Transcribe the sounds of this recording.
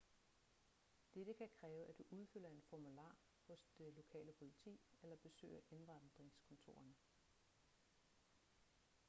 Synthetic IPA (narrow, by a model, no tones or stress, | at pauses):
d̥eɾ̥əkʰækʰʁɛːʊʔæd̥uʔuð̞ˠføl̰ɐe̝nfɒmulɑ̰̈ː | hɔ̽sd̥elo̝kʰɛ̰ːləpʰo̝lit͡sʰḭːelɐb̥e̝sø̰ɪ̰ɐʔe̝nʁɑ̈nd̥ʁeŋskʰɔ̽nt͡sʰo̝̰ːɐnə